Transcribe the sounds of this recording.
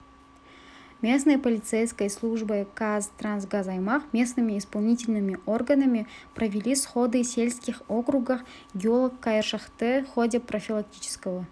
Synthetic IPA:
mʲe̞s̬nɨjpɐlʲɪt̪sejskəjslˠuʐbɨkazt̪rans̬ɡazajmɑχmʲe̞snɨmʲɪːspalˠnʲitʲɪlʲnɨmʲɪʔo̞rɡənɐmʲɪprɐvʲilʲisχo̞d̪ɨsʲe̞lʲskʲɪχo̞kɾuɡəf | ɡʲɪolˠəkːajʂəχt̪ɨχo̞dʲɪprofʲilˠak̚tʲit͡ʃɪ̥skəvə

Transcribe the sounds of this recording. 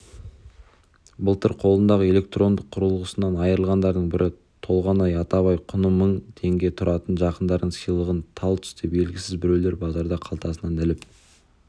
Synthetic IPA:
bʊlˠt̪əɾqʰo̞lˠənd̪ɑʁəe̞le̞k̚t̪ro̞nd̪əqʰːʊɾəlˠʁəsənɑnɑjəɾəlˠʁɑnd̪ɑɾd̪əɴbɪɾʔɪ | t̪ʰo̞lˠʁɑnɑjɑt̪ɑβɑjqʰʊnəmːəɴt̪ʰe̞ŋɡʲe̞t̪ʰʊɾʔɑt̪ənʒɑqənd̪ɑɾd̪əɴsəjlˠəʁənt̪ʰɑlˠt̪ʰʏ̥st̪ebe̞lɡʲɪsɪzbɪɾe̞wle̞ɾbɑzɑɾd̪ɑqʰɑlˠt̪ɑsənɑnɪlɪp

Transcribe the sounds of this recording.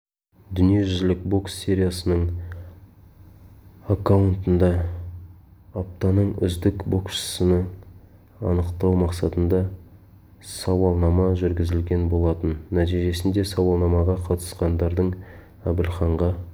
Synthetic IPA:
d̪ʏnije̞ʒʏzlɪkbo̞ksːʲe̞ɾʲijasənəɴ | akawənt̪ənd̪ɑ | ap̚t̪ɑnəɴʏ̰zd̪ɪkbo̞kʃə̥sənə | ɑ̰nəqt̪ɑwmɑqsɑt̪ənd̪ɑ | sɑwɑlˠnɑmɑʒʏɾɡʲɪzɪlɡʲe̞nbo̞lˠɑt̪ənːæt̪ijʒe̞sɪnd̪e̞sɑwɑlˠnɑmɑʁɑqʰɑt̪ə̥sqɑnd̪ɑɾd̪əɴ | æbɪlχɑɴʁɑ

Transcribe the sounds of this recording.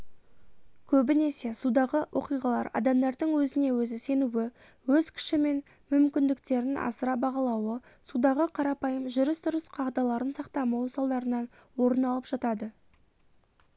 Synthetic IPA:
kʲʰɵbɪne̞se̞sud̪ɑʁəwʔo̞qijʁɑlˠɑ̰ɾɑ̰d̪ɑmd̪ɑɾd̪əɴwɵzɪne̞wɵzɪse̞nuwɪ | wɵzkʲʰɪ̥ʃɪme̞n | mʏmkʲɪnd̪ɪk̚t̪e̞ɾɪnʔɑ̰səɾɑbɑʁɑlˠɑwə | sud̪ɑʁəqʰɑɾɑpɑjəmʒʏɾɪsd̪ʊɾəsqʰɑʁd̪ɑlˠɑɾənsɑqt̪ɑmɑwəsɑlˠd̪ɑɾənɑnwo̞ɾənɑlˠəpʒ̥ɑt̪ɑd̪ə

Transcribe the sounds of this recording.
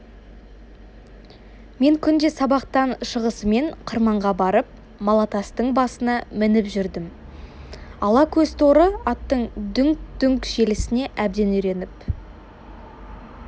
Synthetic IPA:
me̞ŋkʲʰʏnd̪e̞sɑbɑqt̪ɑnʃəʁəsəme̞ɴqʰəɾmɑɴʁɑbɑɾəp̚ | mɑlˠɑt̪ɑst̪əɴbɑsənɑmɪnɪpʒʏɾd̪ɪm | ɑlˠɑkʲʰɵzt̪ʰo̞ɾəɑt̪ːəɴd̪ʏŋk̚d̪̥ʏŋkʒe̞lɪsɪne̞ʔæbd̪e̞nʏjɾe̞nɪp

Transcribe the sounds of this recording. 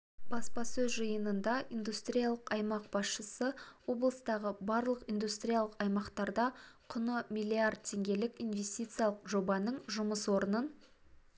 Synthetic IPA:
b̥ɑspɑsɵzʒəjənənd̪ɑʔind̪ust̪ɾʲijalˠəqɑjmɑq̚bɑsʃəsəwo̞blˠəst̪ɑʁəbɑɾlˠəqind̪ust̪ɾʲijalˠəqɑjmɑqt̪ɑɾd̪ɑqʰʊnəmʲilʲːiard̪̚t̪ʲʰe̞ŋɡʲe̞lɪkʲijnvʲe̞sʲt̪ʲijt̪sɨjalˠəqʒo̞bɑnəɴʒʊməswo̞ɾənən

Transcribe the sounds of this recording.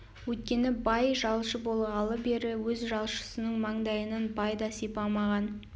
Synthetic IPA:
wɵt̪̚kʲe̞nɪbɑjʒɑlˠʃəbo̞lˠʁɑlˠəbe̞ɾɪwɵzʒɑlˠʃə̥sənəɴmɑɴd̪ɑjənənbɑjd̪ɑsepɑmɑʁɑn

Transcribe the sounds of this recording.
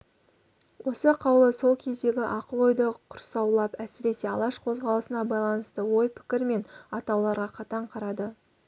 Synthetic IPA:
wʔo̞səqʰɑwlˠəso̞lˠkʲʰe̞zd̪e̞ɡʲɪʔɑqəlˠo̞jd̪əqʰʊɾsɑwlˠɑpæsɪɾe̞se̞ɑlˠɑʃqʰo̞zʁɑlˠəsənɑbɑjlˠɑnəst̪əwo̞jpʰɪ̥kʲɪɾme̞nɑt̪ɑwlˠɑɾʁɑqʰɑt̪ɑɴqʰɑɾɑd̪ə

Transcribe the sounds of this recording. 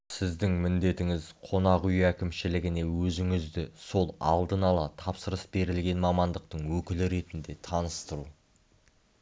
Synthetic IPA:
sɪzd̪ɪŋmɪnd̪e̞t̪ɪŋɪzqʰo̞nɑqʏjækʲɪmʃɪlɪɡʲɪne̞wɵzɪŋɪzd̪ɪso̞lˠɑ̰lˠd̪ənɑlˠɑt̪ʰɑpsəɾəsbe̞ɾɪlɡʲe̞nmɑmɑnd̪əq̚t̪əɴwɵkʲɪlɪɾe̞t̪ɪnd̪e̞t̪ʰɑnəst̪əɾu

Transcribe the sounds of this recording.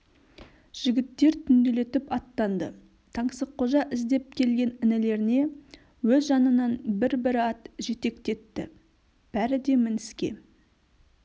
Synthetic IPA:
ʒ̥ɪɡʲɪt̪ːe̞ɾt̪ʰʏnd̪e̞le̞t̪ɪpɑt̪ːɑnd̪ə | t̪ʰɑɴsəq̚qʰoʒɑʔɪzd̪e̞p̚kʲʰe̞lɡʲe̞nɪnɪle̞ɾɪne̞ | wɵzʒɑnənɑnbɪɾbɪɾɪɑt̪ʒe̞t̪e̞kt̪e̞t̪ːɪ̰ | b̥æɾɪd̪e̞mɪnɪskʲe̞̰

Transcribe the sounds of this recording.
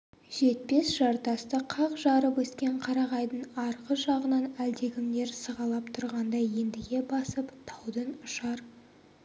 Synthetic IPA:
ʒ̥e̞t̪̚pe̞sʒ̥ɑɾt̪ɑst̪əqʰɑqʒɑɾəpwɵskʲe̞ɴqʰɑɾɑʁɑjd̪əɴɑɾʁəʒɑʁənɑnæld̪e̞ɡʲɪŋd̪e̞ɾsəʁɑlˠɑpt̪ʰʊɾʁɑnd̪ɑjje̞nd̪ɪɡʲe̞bɑsəpt̪ʰɑwd̪ənʊʃɑɾ

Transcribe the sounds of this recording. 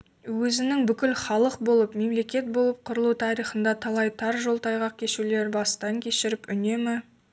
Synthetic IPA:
wɵzɪnɪŋbʏkʲɪlχɑlˠəqbo̞lˠəpme̞mle̞kʲe̞t̪̚bo̞lˠəp̚qʰʊɾəlˠut̪ʰɑɾijχənd̪ɑt̪ʰɑlˠɑjt̪ʰɑɾʒo̞lˠt̪ɑjʁɑq̚kʲʰe̞ʃule̞ɾbɑst̪ɑŋkʲʰe̞ʃɪɾɪpʏne̞mɪ

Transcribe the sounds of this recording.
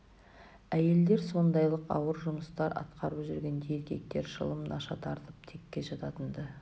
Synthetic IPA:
æje̞ld̪e̞ɾso̞nd̪ɑjlˠəqɑ̰wəɾʒʊməst̪ɑɾɑ̰t̪qɑɾəpʒʏɾɡʲe̞nd̪ejeɾkʲe̞̰k̚t̪e̞ɾʃə̰lˠəmnʔɑ̰ʃɑt̪ʰɑɾt̪əp̚t̪ʰe̞kʲːe̞ʒɑt̪ɑt̪ənd̪ə

